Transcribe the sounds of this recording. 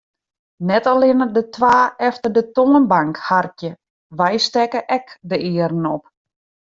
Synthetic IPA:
nɛtalɪnədətʰʋaːɛftərdətoənbaŋkhartjə | ʋɛjstɛkəʔɛkdəɪːəɾn̩ɔp̚

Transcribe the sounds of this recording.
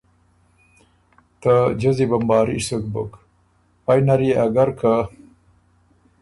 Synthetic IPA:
t̪ad͡ʒəzibambɑːɾḭsuk̚bʊk | pajnaɾiaɡaɾkʰa

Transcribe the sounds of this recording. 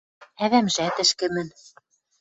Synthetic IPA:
æðæmʒæt̪ɘ̆ʃkɘ̆mɘ̆n

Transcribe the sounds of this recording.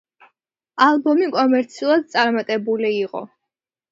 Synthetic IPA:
alˠbɔmikʼɔmɛɾt̪sʰiulˠad̪̚t̪sʼaɾmat̪ʼɛbuliːqʼɔ̰

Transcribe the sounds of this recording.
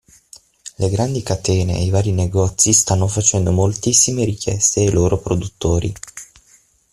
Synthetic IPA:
leɡɾand̪ikat̪ɛːnḛḛivaːɾineɡɔt̪sist̪anːofat͡ʃɛnd̪omolt̪isːimeɾikjɛ̰st̪eːloːɾopɾod̪ut̪ːoːɾḭ

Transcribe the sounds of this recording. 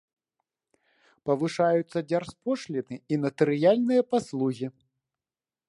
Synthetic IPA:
pɐvɨʂajut̪sːɐd͡zʲarspɔʂlʲinɨinɐt̪ɨɾɨjalʲnɨjɐpaslˠuɣʲi

